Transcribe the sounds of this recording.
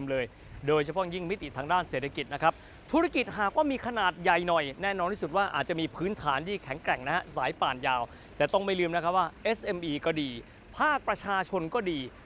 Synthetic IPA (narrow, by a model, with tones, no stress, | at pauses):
mlɤː˧j | doː˧jt͡ɕʰa˧˩pʰɔ˦˥˩ji˥˩ŋmi˦˥t̪i˨˩t̪ʰaː˧ŋdaː˥˩nseː˨˩t̪ʰːa˧ki˨˩t̪̚na˦˥kʰɾa˦˥p̚ | t̪ʰu˦˥ɾa˧ki˨˩t̪̚ɦaː˨˩k̚waː˥˩miː˧kʰa˧naː˨˩t̪̚ja˨˩jnɔ˨˩jnɛː˥˩nɔː˧nt̪ʰiː˥˩su˨˩t̪̚waː˥˩ʔa̰ː˨˩t͡ɕa˨ʔmiː˧pʰɯː˦˥nt̪ʰaː˩˦nd̪iː˧˩kʰɛ˩˦ŋkɾɛ˨˩ŋna˦˥khɛ˦˥saː˩˦jpaː˨˩njaː˧w | t̪ɛː˨˩t̪ɔ˥˩ŋma˥˩jlɯː˧mna˦˥kʰɾa˦˥waː˥˩ʔe˦˥sʔe˧mʔiː˧kɔː˥˩diː˧ | pʰaː˥˩k̚pɾa˧t͡ɕʰaː˧t͡ɕʰo˧nkɔː˥˩diː˧